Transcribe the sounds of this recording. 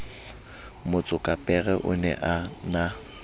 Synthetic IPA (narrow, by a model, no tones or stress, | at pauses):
mʊt͡sʼʊkʼapʼɛɣɛʔʊ̰nɛ̰ʔana